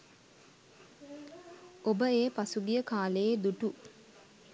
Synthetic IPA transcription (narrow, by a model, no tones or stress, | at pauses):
obəeːpasuɡijəkaːlejed̪uʈu